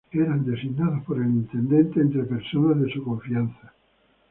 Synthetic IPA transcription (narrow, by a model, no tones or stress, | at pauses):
eɾand̪esiɡnaðopoɾelint̪end̪ẽnt̪eːnt̪ɾepeɾsonazðesukoɱfianθḁ